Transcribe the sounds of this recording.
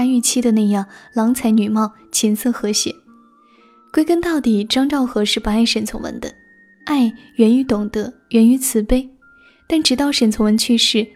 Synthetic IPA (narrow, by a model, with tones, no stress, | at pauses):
a˥ny˥˧t͡ɕʰi˥d̪ə˨na˥˧jɑ˥˩ŋlɑ˧˥ŋt͡sʰa˧˥ɪny˨˩mɑ˥˩ʊ | t͡ɕʰi˧˥nsɤ˥˩xɤ˧˥ɕjɛ̰˨˩˦ | kwe˥ɪkə˥nt̪ɑ˥˧ʊt̪i˨˩ʈ͡ʂɑ˥ŋʈ͡ʂɑ˥˩ʊxɤ˧˥ʂɻ̩˥˩pa˧˥a˥˩ɪʂə˨˩nt͡sʰʊ˧˥ŋwə̰˧˥nd̪ə̰˧ | a˥˩ɪɥɛ˧˥ny˧˥t̪ʊ˨˩ŋd̪ə˧˥ɥɛ˧˥ny˧˥t͡sʰɹ̩˨˩pe˥ɪ | t̪a˥˩nʈ͡ʂɻ̩˧˩t̪ɑ˥˩ʊʂə˨˩nt͡sʰʊ˧˥ŋwə˧˥nt͡ɕʰy˥˧ʂɻ̩˥˩